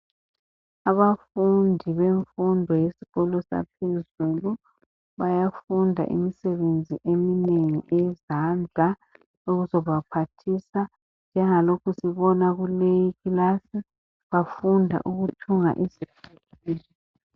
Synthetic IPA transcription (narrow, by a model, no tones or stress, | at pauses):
aβafundʱiβeɱfundʱɔjesi̥ɣɔlɔsa̰p̚ʰezuːlu | βajafundʱa̰ʔḭmisɛβend͡zʱiʔemineŋiʔɛzand͡ɮʱa | uɣuzɔβapʰatʰisa | nd͡ʒʱɛŋalokusiβɔnaɣulejikilasi | βafundʱa̰ʔuɣutʰuŋa̰ʔizipʰekiːli